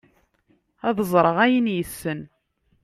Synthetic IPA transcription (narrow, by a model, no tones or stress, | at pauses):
æðəzˤɾˤəʁæjənjəsːən